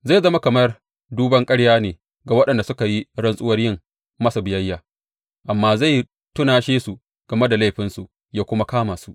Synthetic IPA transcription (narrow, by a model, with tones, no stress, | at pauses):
za˦˨zɐ˦ma˦kɐ˨mɐ˦r | duː˦bɐ˦ŋkʼɐ˦ɽjaː˦neː˨ | ɡa˨wɐ˦ɗɐ˨nda˨sʊ˦ka˨ji˦ɽɐ˦nsʼʊ˦wɐ˦rjɪ˦˨ŋ | mɐ˦sa˨bɪ˨jɐ˦jːaː˨ | ʔa˨mːaː˦za˦˨j | tʊ˦naː˨ʃeː˦su˨ | ɡ̥ɐ˨me˦da˨la˦jɸɪ˦nsu˨ | jaː˦kʷʊ˦ma˦kaː˦maː˨su˦ʔ